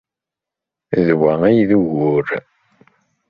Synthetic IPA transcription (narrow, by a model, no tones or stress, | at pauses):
ðwææjðuʝʊɾ